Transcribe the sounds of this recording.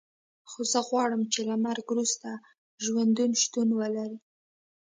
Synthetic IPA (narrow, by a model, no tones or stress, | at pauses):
xozəɣwɑɽəmt͡ʃelamaɾɡɾust̪a | ʒwand̪unʃt̪unwəlaɾi